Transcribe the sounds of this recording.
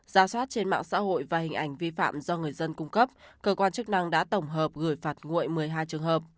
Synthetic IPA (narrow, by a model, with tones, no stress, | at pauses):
z̥aː˨˩swaː˦˥t̚t͡ɕe˧nma̰ː˧˨ŋsa̰ː˧˥ɦo̰˧˨jvaː˨˩hï̟˨˩ʔa˨˧˩jŋ̟vi˧fa̰ː˧˨mzɔ˧ŋɨ˨˩əjzə˧nkʊ˧ŋ͡mkə˦˥p̚kəː˧kwaː˧nt͡ɕɨ˦˥k̚na˧ŋɗa̰ː˧˥t̪ə˧˩wŋ͡mɦəː˨˩p̚ɣɨ˧˩jfaː˨˩t̚ŋṵ˧˨əjmɨ˨˩əjɦaː˧jt͡ɕɨ˨˩əŋɦəː˨˩p̚